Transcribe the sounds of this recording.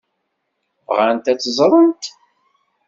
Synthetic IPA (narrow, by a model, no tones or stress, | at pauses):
vʁant̪æt͡sːzˤɾˤənt̪